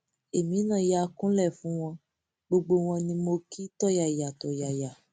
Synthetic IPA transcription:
e˨mĩ˨˦nã˦˨ja˨˧kũ˦lɛ˦˨fũ˨˦w̃ɔ̃˧ | ɡ͡bo˧ɡ͡bo˧w̃ɔ̃˧nĩ˧mo˧ki˦tɔ˦˨ja˨ja˨tɔ˨ja˨ja˨

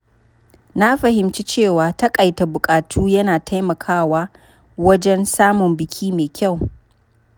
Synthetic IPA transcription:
na˦ɸɐ˨hɪ˨mt͡ʃi˦t͡ʃeː˦˨waː˨tɐ˦kʼɐ˨jta˨bʊ˨kʼaː˨tʰuː˦jɐ˦naː˨tʰa˦jmɐ˨kʰaː˦waː˦ | wɐ˦d͡ʒɛ˦nsaː˦mʊ˨mbɪ˨kʲʰiː˦meː˨kʲʰa˦˨w

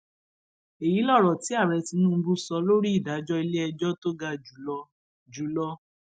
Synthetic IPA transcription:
e˨ji˨˦lɔ˦˨ɾɔ˨ti˨˦a˦˨ɾɛ˨˧ti˧˦nũ˦bu˧sɔ˨˦lo˦ɾi˦i˦˨da˨˦d͡ʒɔ˦i˧le˦ɛ˧d͡ʒɔ˦to˦ɡa˧d͡ʒu˨ɔ˧ | d͡ʒu˨˦lɔ˧˦

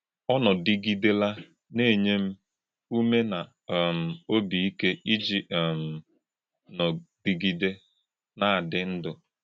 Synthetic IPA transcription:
ɔ˦nɔ˨di˦ɡi˦de˦la˦ | ne˦˨ɲe˦m̩˦ | u˦me˦na˨ | m̩˨o˦bi˨i˦ke˦ʔi˦d͡ʒi˨m̩˨ | nɔ˨d̥i˨ɡi˦de˦ | na˦a˨dɪ˨n̩˦dʊ˨

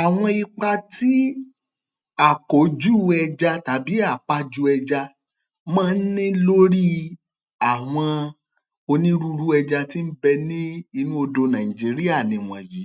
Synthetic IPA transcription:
a˨w̃ɔ̃˧i˧k͡pa˧ti˦ | a˨ko˨˦d͡ʒu˦˨˦ɛ˧d͡ʒa˧ta˨˦bi˨˦a˦˨k͡pa˧˦d͡ʒu˦ɛ˧d͡ʒa˧ | mãː˦˧n̩˦nĩ˦lo˦ɾi˦ | a˨w̃ɔ̃˧ | o˧nĩ˦ɾu˦ɾu˦ɛ˧d͡ʒa˧ti˦m̩˦bɛ˧nĩ˦i˧nũ˦o˧do˧nã˨ĩ˨d͡ʒi˨˦ɾi˦a˦˨nĩ˨w̃ɔ̃˨ji˨˦

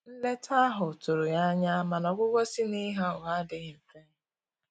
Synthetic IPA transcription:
n̩˦le˦tʰa˦ɦʊ˨tʊ˨ɾʊ˨ja˦ɲa˦ma˨nɔ˨ɡʷʊ˦ɡʷɔ˦si˦ni˦ɦa˦ʊ˨a˦dɪ˨ɣɪ˨m̩˨fe˦

